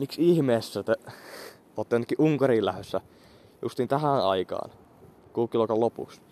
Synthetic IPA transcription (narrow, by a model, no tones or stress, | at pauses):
miksihmeːsːæt̪e | oːt̪ːeenɑkːiʔuŋkɑriːlæhøsːæ | jṵst̪iːnt̪æhænɑikɑ̰ːn | kuːkːˑilokɑlopṵks